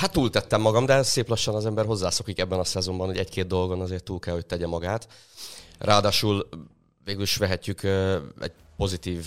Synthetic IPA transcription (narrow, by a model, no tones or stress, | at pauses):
hat̪ːuːlt̪ɛt̪ːɛmːɒɡɒmd̪ɛseːplɒʃːɒnɒzɛmbɛrɦo̞zːaːso̞kikɛbːɛnɒsɛzo̞mbɒnho̞ɟɛckeːd̪̚d̪o̞lɡo̞nɒzeːrt̪ːuːlkɛlho̞c̚t̪ɛɟɛmɒɡaːt̪ | rʔaːd̪aːʃuːl | veːɡyliʃʋɛɦɛcːykːɛ̰ɟ | po̞zit̪iːv